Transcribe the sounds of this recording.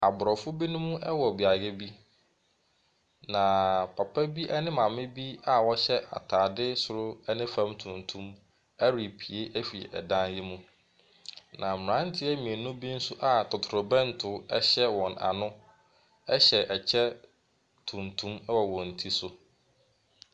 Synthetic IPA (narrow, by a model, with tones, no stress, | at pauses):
a˨bʊ˨ɾɔ˨fʊ˦bi˦nʊ̃˦mʊ̃˦ʔɛ˦wɔ˨bi˨a˨ɡɛ˦bi˦ | nã˨pʰa˨pʰɛ˦bi˦ʔɛ˦nɪ̃˦mã˨mɪ̃˦bi˦a˦wɔ˦ɕɛ˦ʔa̰˨tʰaː˨dɪ˦sʊ˨ɾʊ˦ɛ˦nɪ̃˦fã˦mtʰũ˨ntʰũ˦m | ɛ˦ɾi˨pʰi˨e˦ʔæ˦fḭ˨ɛ˨dã˦njɪ˦mũ˦ | nã˨m˨ɾã˦n̩˦tʰɪ˦ɛ˦mĩ˨e˨nʊ̃˦bi˦n̩˦sʊ˦ʔa˨tʰɔ˨tʰʊ˨ɾʊ˨bɛ̃˦n̩˨˦tʰʊ˨˦ɛ˦ɕɛ˦wɔ̃˨na̰˨nʊ̃˦ | ɛ˦ɕɛ˨ʔɛ˨t͡ɕʰɛ˦ | tʰũ˨ntʰũ˦mɛ˦wɔ˨wɔ̃˨n̩˨tʰi˦sʊ˦